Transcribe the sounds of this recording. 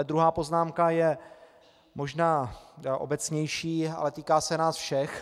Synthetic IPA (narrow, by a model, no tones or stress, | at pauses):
d̪ɾuɦaːpoznaːmkajɛ | mo̞ʒnaːʔo̞̰bɛt͡sɲɛjʃiːa̰lɛt̪iːkaːsɛnaːsfʃɛx